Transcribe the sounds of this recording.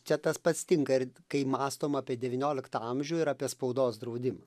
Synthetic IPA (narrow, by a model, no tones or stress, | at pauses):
t͡ʃʲɛt̪ɐspɐsʲt̪ʲɪŋkɐɪrkɐɪmɑːst̪oːmaːpʲiɛd̪ʲɛʋʲɪnʲoːlʲɪkt̪ɐɐmʲʒʲuʊɪɾaːpʲiɛspɐʊd̪oːsd̪ɾɐʊd̪ʲɪmɐ